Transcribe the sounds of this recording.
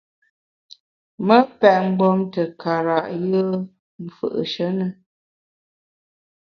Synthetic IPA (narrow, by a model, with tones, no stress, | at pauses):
mə˦pɛ˨ʔŋ͡m̩˦ɡ͡bɔ˦mtə˨ka˨ɾa˨ʔjə˦ | m̩˨fə̰˦˨ʔə̰˨ʃə˦nə˨